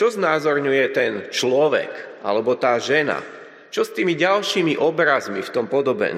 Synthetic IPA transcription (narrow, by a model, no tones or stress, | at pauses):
t͡ʃɔznaːzɔɾɲujɛt̪ɛnt͡ʃlɔʋɛ̰kʔa̰lɛbɔt̪aːʒɛna̰ | t͡ʃɔst̪iːmiɟalʃiːmiʔɔbɾazmift̪ɔmpɔd̪ɔbɛ̰